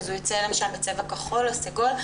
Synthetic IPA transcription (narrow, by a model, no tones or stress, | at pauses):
zujit͡selemaʃalbet͡sevakaχolaseɡol